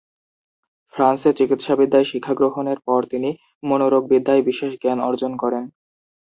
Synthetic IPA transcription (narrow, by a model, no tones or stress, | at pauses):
fʰɾanseɾt͡ɕikit̪ʃabid̪ːaeʃikʰːaɡɾoɦoneɾpɔɾt̪ini | monoɾoɡ̚bid̪ʱːaebiʃeʃɡɛnɔ̰ɾd͡ʑonkɔɾen